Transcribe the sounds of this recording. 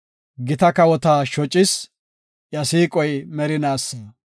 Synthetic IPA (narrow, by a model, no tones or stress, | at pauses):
ɡɪt̪ɐkɐwɔt̪aːʃɔt͡ʃʼːɪs | jɐsiːkʼɔjmɛɾɪnaːsːaː